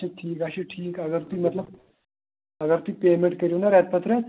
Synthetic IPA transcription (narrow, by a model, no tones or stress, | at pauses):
eʈʰiːkaɕeʈʰiːkəɡəɾt̪uiːmət̪ləb̚ | əɡəɾt̪uiːpemeɳʈ̚kəɾiunaɾjat̪̚pət̪ɾəe